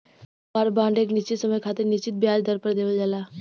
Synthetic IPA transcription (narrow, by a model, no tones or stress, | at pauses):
paɾbãːɳɖeːknɪst͡ʃit̪səməjkʰaːt̪ɪɾnɪst͡ʃit̪̚bjaːd͡ʒd̪ʱəɾpəɾd̪eːʋəld͡ʒalaː